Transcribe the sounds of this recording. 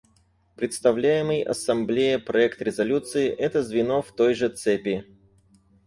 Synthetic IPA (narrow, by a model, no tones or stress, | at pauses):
pɾʲɪt̪st̪ɐvlʲæjɪmɨjɐ̰sːɐmblʲejəpɾɐɛkt̪ɾʲɪzɐlʲut̪sɨɪʔɛt̪əzvʲɪno̞ft̪o̞jʐɨt̪sɛpʲɪ